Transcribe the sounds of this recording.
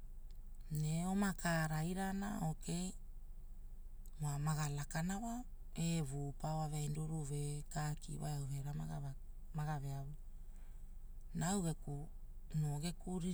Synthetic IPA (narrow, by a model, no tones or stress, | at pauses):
neomakaɾajɾana̰o̞ke̞j | mamaɡalakanawa | eβupawaveajnduɾuve̞kaːkḭwa̰jawhe̞ɾamaɡa | maɡaveawu | nawɡeku | noɡe̞kuɾi